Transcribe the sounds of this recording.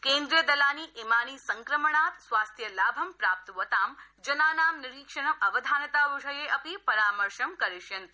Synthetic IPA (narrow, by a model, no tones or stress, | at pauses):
kẽːnd̪ɾiəd̪ɐlaːniːʔemaːnisɐŋkɾəməɳaːt̪sʋaːst̪ʰjɐlaːbʱɐmpɾaːp̚t̪ʋət̪aːmd͡ʒɐnaːnaːmnɪɾiːkʃəɳɐmɐʋəd̪ʱaːnɐt̪aːʋɐʒɐjeʔɐpipɐɾaːməɾʃɐmkɐɾiʃjɐnt̪